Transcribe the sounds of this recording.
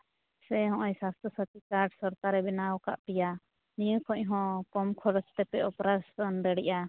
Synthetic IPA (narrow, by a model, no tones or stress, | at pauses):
sɛɦɔ̃ʔɔɲsast̪ʰɔsat̪ikaɾɖsɔɾt̪aɾɛbɛnawka̰ʔpija | nijəkʰɔ̃ɲɦɔ̃kɔmkʰɔɽɔt͡ʃt̪ɛpɛɔpɾasɔnd̪əɽiʔa